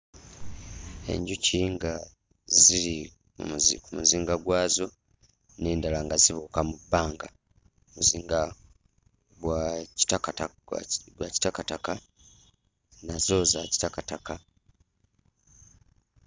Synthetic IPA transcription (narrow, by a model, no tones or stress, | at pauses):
e̞̰ɲɟuciŋɡa | ziɾḭ | zkumuziːŋɡaɡwaːzo̞ | neːndalaŋɡaziβukamubːaːŋɡa | muziːŋɡa | ɡwai̥takata | ɡwaci̥takataka | nazo̞zaci̥takataka